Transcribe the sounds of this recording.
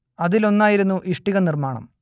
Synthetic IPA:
ɐðilo̞nːaːjiɾunːuʔiʂʈiɣɐnirmaːɳɐ̰m

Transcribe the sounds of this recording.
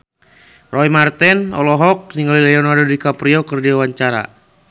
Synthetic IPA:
rʔɔimart̪ɛnɔ̰lɔɦɔk̚niŋɡalilɛɔnardodikapɾiɔkɨrdiawaɲt͡ʃaɾa̰

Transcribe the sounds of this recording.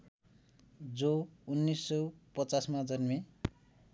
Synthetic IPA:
d͡zounːisːʌwpʌt͡sasmad͡zʌnme

